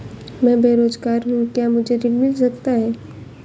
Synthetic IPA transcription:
mɛ̃beːɾoːzɡaːɾɦũkjaːmʊd͡ʒʱeɾɪlmɪls̬ɐkt̪aɦɛː

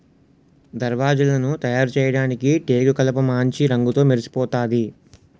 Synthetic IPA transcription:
d̪ɐɾʋaːd͡ʒɐlɐnut̪ɐjaːɾut͡ʃɛːjɐɽaːnikiʈeːɡukɐlɐpɐmaːɲt͡ʃiɾɐŋɡut̪o̞ːmeɾsi̥pɔːt̪aːd̪i

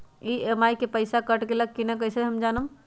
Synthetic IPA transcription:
iemajkepəjsakəʈkelək̚kinɛkəɦsəɦəmd͡ʒanəm

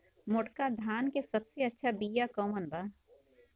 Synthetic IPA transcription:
mʊʈkad̪ʱaːnkesɐbseɐtːʃʰabiːjakoːmənbaː

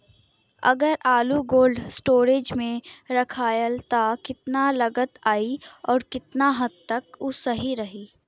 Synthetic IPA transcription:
ɐ̰ɡəɾʔaːluɡoːlɖsʈoːɾeːd͡ʒmẽɾɐkʰaːjəlt̪akɪt̪nalɐɡət̪aːiɔːɾkɪt̪naɦɐd̪̚t̪ɐkʊsɐɦiɾɐɦiː

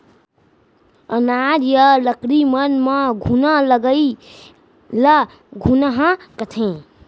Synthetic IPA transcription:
ənaɾjələkɾimənməɡʱunələɡəi | lə | ɡʱunəɦə̃kət̪ʰẽ

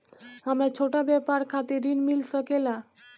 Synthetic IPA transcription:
amɾat͡ɕʰoʈabɛpaɾkʰat̪eɾinmilsɔkela

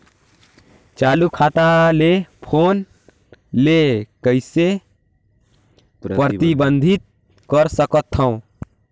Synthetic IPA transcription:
t͡ʃaːlukʰaːt̪alepʰoːn | lekəɪse | pəɾət̪ibənd̪ʱit̪̚ | kəɾsəkət̪ʰːəõ

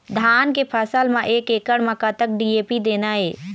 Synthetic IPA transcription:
d̪ʱankepʰəsəlmãʔekekəɽməkat̪ək̚ɖiepid̪enae

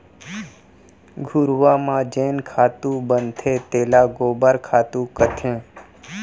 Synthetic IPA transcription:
ɡʱʊɾʋamãd͡ʒeːnkʰaːt̪ũbənt̪ʰet̪eːlaɡoːbaɾkʰaːt̪ũkət̪ʰẽː

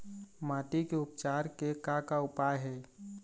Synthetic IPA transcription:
maːt̪ikeʊpt͡ʃaːɾkekakaʊpajɦɛː

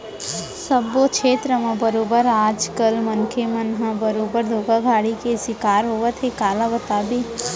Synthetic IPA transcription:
səbːokʃʰeːt̪ɾəmãbəɾoːbəɾaːd͡ʒkəlmɐnkʰemənɦãbəɾoːbəɾd̪ʱoːɡaɡʱaːɽikesɪkaːɾɦoːʋət̪ʰekaːlabət̪aːbi

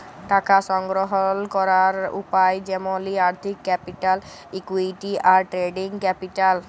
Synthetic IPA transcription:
ʈakasɔŋɡɾɔɦɔlkɔɾaɾṵpajd͡ʒɛmoliaɾt̪ʰikːɛpiʈal | ikuiʈiʔaɾʈɾeɖiŋkɛpiʈal

